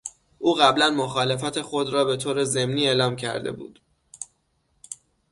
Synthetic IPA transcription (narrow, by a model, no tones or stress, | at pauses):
ʔuːɣæblænmo̞xɒːle̞fæt̪ʰexo̞d̪ɾɒːbe̞t̪ʰoːɾe̞ze̞mniːeːlɒːmcʰæ̰ɾd̪e̞̰bṵːd̪̥